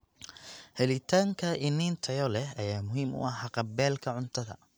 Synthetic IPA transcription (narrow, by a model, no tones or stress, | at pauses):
hɛlɪt̪ʰaːŋkʰɐʔɪniːnt̪ʰɐjɔlɛɦɐjaːmʊɦiːmʊ̰ʔɑħɑqɑbɛːlkʰɐʕʊnt̪ʰɐðɐ̰